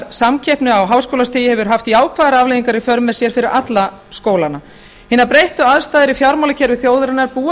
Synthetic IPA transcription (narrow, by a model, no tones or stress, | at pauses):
samcʰɛhpnʏawɦaːwskowlast̪ɪːjɪhɛvʏɾ̥ɦaft̪iaːwkʰvaːðaɾavlejðiŋkaɾifœɾmɛ̥sjɛɾ̥fɪɾɪɾʔat̪la | skoːwlana | hɪnːaɾpɾejht̪ʏaðst̪aːðɪɾifjawɾmawlacʰɛːɾʏθjoːwðɾɪnaɾpuː